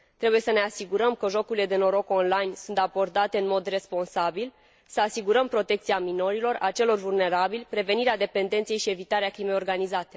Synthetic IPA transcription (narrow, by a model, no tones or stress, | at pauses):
t̪ɾe̞buje̞səne̞asiɡuɾəmkəʒo̞kuɾile̞d̪e̞no̞ɾo̞ko̞nlajnsunt̪abo̞rd̪at̪e̞ɨnmo̞d̪re̞spo̞nsabil | səasiɡuɾəmpɾo̞t̪e̞k̚t̪siamino̞ɾilo̞ra̰t͡ʃe̞lo̞rvulne̞ɾabilʲpɾe̞ve̞niɾead̪e̞pe̞nd̪e̞nt̪sije̞jʃie̞vit̪aɾeakɾime̞jo̞rɡanizat̪e̞̥